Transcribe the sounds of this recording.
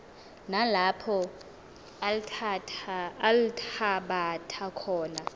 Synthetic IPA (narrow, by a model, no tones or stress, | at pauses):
nalapʰɔ | alitʰaɓatʰakʰɔːna